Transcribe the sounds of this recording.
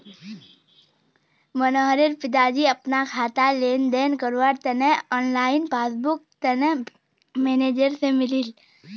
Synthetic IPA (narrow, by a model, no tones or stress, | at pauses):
mənɔːɦɾɪɾpɪd̪aːd͡ʒiɐpnakʰaːt̪aleːnd̪ɛːnkəɾwaɾt̪ənɛɔːnlaːɪnpaːsbʊk̚ | t̪ənə | meːneːd͡ʒəɾsemɪlɪl